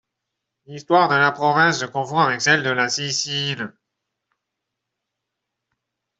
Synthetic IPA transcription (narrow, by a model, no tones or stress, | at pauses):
list̪waʁd̪əlapχɔvɛ̃sd̪əkɔ̃fɔ̃avɛksɛld̪əlasisil